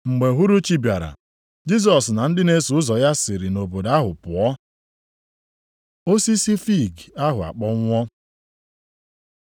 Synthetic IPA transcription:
ŋ͡m̩˨ɡ͡be˨ɦu˦ɾu˦t͡ʃi˦bja˨ɾa̰˨ | d͡ʒi˦s̬ɔ˨sna˨n̩˦dɪ˦ne˦su˨ʊ˦zɔ˨ja˦sɪ˨ɾi˨no˨bo˨da˦ɦʊ˨pʊ˨ɔ˦ | o˦si˦si˦fi˦˨ɡa˦ɦʊ˨a̰˨k͡pɔ˦ŋʷɔ˦

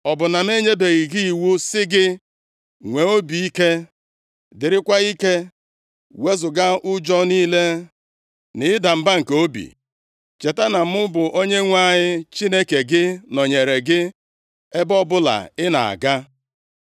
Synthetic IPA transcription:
ɔ˨bʊ˨na˨m˦e˦ɲe˦be˨ɣi˨ɡi˦i˨wu˦sɪ˦ɡɪ˦ | ŋʷe˨o˦bi˨i˦ke˦ | dɪ˨ɾɪ˦kʷa˦i˦ke˦ | we˦zʊ˨ɡa˦ʔʊ˦d͡ʒɔ˦niː˦le˦ | nɪ˨ɪ˦da˨m̩˨ba˦ŋ̩˨ko˦bḭ˨ | t͡ʃe˨ta˦na˨m̩˦ʊ˦bʊ˨ʔo˦ɲe˦ŋʷa˦˨ɲɪ˦t͡ʃi˦ne˦ke˨ɡɪ˦nɔ˨ɲe˨ɾe˨ɡɪ˦ | e˦bɔ˦bʊ˦la̰˨ɪ˦na̰˨a̰˨ɡa˦

